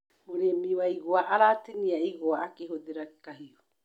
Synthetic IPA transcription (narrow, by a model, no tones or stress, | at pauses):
moɾemioaiɡoaʔaɾateniaiɡoaʔakeɦodeɾake̥kahio